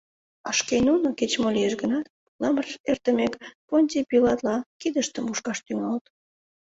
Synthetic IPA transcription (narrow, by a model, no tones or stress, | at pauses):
ɑʃkenunoket͡ɕmolʲieʃɡənɑt̪̚ | lɑmərert̪əmekponʲt̪ʲipilɑt̪lɑkid̪əʃt̪əmuʃkɑʃt̪yŋɑlt̪